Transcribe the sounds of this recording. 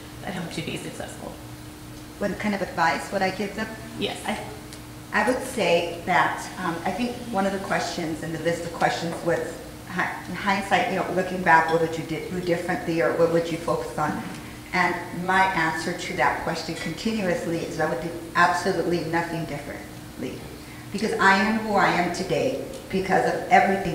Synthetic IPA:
ðɨ̰t̚ɦoʊp̚tʰɨbḭsɨksɛ̰sfl̩ˠ | wɛkʰãɪ̃ndʌvɨdvaɪswʌɾaɪɡɪvzʌp | jɛ̰sa̰ɪ | ʔaɪwɨd̥seɪðɨtʌ̃ma̰ɪθɪ̃ŋkwʌ̃nʌvðɨkʰw̥ɛst͡ʃɨ̃nzɨ̃nðɨlɪstʌv̥kʰw̥ɛst͡ʃɨ̃nzwʌz̥ | haɪhaɪɨ̃nsaɪjɨnoʊlʊkɪ̃ŋbækwʌt̚wɨd͡ʒɨdɪɨdɪfɹɨ̃nʔliə˞wʌt̚wɨd͡ʒɨfoʊkə̥sn̩ | ʔɨ̃nmaɪʔæ̃nsə˞tʰɨðɨ̰t̚kʰw̥ɛst͡ʃɨ̃nkʰɨ̃ntʰɪ̃njʉɨsliɪ̰zaɪwɨd̚biʔæb̥səlutˡlinʌθɪ̃ŋdɪfɹɨ̰̃n | lḭ | b̥ɨkʌzaɪɨ̃mwə˞aɪɨ̃mtʰɨdeɪ | b̥ɨkʰʌzʌvɛvɹiθɪ̃

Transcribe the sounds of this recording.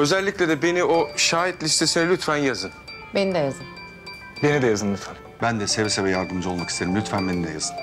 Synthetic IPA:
ø̞zɛlʲːicʲlʲed̪ɛbe̞nioʃaːɦit̪lʲist̪ʰe̞sinɛlʲyt̪fænjazɯn | benid̪ɛjazɯn | be̞nid̪ɛjazɯnlʲyt̪fæn | bænd̪ɛsevsevɛjaɾd̪ɯmd͡ʒlˠmaki̥st̪e̞ɾimlʲyt̪fænbenimd̪ɛjazɯn

